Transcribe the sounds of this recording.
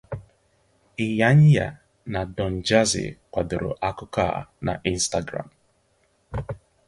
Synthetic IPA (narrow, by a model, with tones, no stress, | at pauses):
ɪ˨ja˦ɲɪ˦ja̰˨ | na˨dɔ˨n̩˨d͡ʒa˦zɪ̰˨kʷa˨dʊ˨ɾʊ̰˨ʔa˦kʊ˦ka̰˦˨na̰˨ʔi˦n̩˦sta˦ɡɾa̰˨m˨